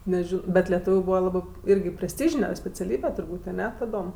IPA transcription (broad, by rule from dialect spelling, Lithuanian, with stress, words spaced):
nʲɛˈʒʲɪnoː ˈbʲɛt lʲɛˈtuːʋʲʊ ˈbuːʋɐ ˈlˠɑːbɜ ˈiːrʲɡʲɪ pʲrʲɛsʲˈtʲiːʒʲɪnʲɛ sʲpʲɛt͡sʲɛˈlʲiːbʲɛ tʊrˈbuːtʲ ɐˈnʲɛ tɐˈdoːm